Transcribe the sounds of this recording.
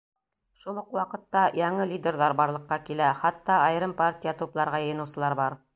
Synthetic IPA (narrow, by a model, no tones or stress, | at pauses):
ʃulˠoqwɑqɤ̆t̪ːɑjɑɴɤlʲidʲerðɑɾbɑɾlˠɤ̆qːɑkilæχɑt̪ːɑɑj̆ɾɤmpartʲijat̪uplˠɑɾʁɑjɤ̆jɤ̆nɤ̆wsɤ̆lˠɑɾbɑɾ